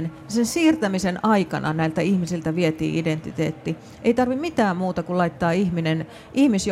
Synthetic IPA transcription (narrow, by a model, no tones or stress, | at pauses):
n | sensiːrt̪æmisenɑikɑnɑ̰næilt̪æihmisilt̪æʋiet̪ḭːʔident̪it̪ḛːt̪ːi | ʔeit̪ɑrʋimit̪æːmmuːt̪ɑkullɑit̪ːɑːihminen | ʔihmisj